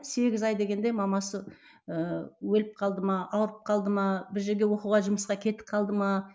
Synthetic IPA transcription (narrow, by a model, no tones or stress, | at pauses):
se̞ɡʲɪzɑjd̪e̞ɡʲe̞nd̪e̞mɑmɑsə | əwɵlɪp̚qʰɑlˠd̪əmɑɑwəɾəp̚qʰɑlˠd̪əmɑbɪɾʒe̞ɾɡʲe̞wo̞quʁɑʒʊməsqɑkʲʰe̞t̪ɪ̥p̚qʰɑlˠd̪əmɑ